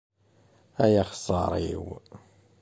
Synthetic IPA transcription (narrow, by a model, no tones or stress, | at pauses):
æjaχsˤɑɾˤḭw